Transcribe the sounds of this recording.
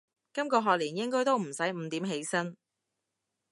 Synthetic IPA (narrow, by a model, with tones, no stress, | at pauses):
kɐ˥mkɔː˧ɦɔː˨k̚liː˨˩njɪ˥ŋkɔː˥jt̪o˥wm̩˨˩sɐ˨˥jm̩ː˨˧t̪iː˨˥mɦe˨˥jsɐ˥n